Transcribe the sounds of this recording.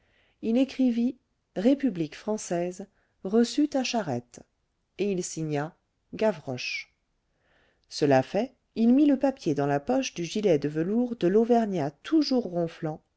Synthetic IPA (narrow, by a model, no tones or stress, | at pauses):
ilekχivi | ʁepyblikfχɑ̃sɛz | ʁəsyt̪aʃaʁɛ̰t̪ | eilsiɲa | ɡavʁɔʃ | səlafɛ | ilmiləpapjed̪ɑ̃lapɔʃd̪yʒilɛd̪əvəluʁd̪əlovɛʁnjat̪ʰuʒuʁːɔ̃flɑ̃